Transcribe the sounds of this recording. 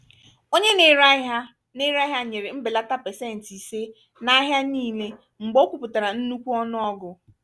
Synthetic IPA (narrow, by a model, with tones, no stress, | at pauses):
o˦ɲe˦ne˦ɾa˦ɦa˦ | nɪ˦ɾa˦ɦa˦ɲe˨ɾe˨m̩˦bɪ˨la˦ta˦pe˨se˦˨n̩˨ti˨se˦ | na˦ɦja˦niː˦le˦ | ŋ͡m̩˨ɡ͡bo˦kʷu˨pʊ˨ta˨ɾa˨n̩˦nu˦kʷu˦ɔ˦nʊ˦ɔ˦ɡʊ˨